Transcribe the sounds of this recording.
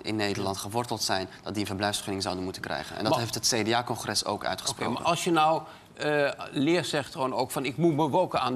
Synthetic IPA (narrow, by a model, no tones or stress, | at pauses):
ɪ̰nːejdəɹlɑntχəʋɔɹtəlˠtsɛjnd̥ɑt̚diənvərblɛjfsχønɪŋzawdənmutənkrɛ̰jχənɛ̰ndɑtɦejftɦətsedeaːkɔnχrɛso̰ːwkœ̰ɥtχə̥spro̰ma̰ɑlˠsjənɔw | lɪːrsɛχtronowkfɑnɪkmuməʋowkənaːn